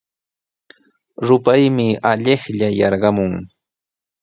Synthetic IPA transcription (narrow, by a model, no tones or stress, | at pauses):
ɾʊpajmɪaʎɪχʎajɑɾɢɑmʊŋ